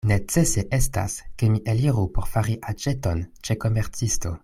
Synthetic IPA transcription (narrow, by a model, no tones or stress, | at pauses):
net͡seseʔesta̰skemiʔeliʁupoʁfaʁiʔad͡ʒetont͡ʃekomeʁt͡sisto̰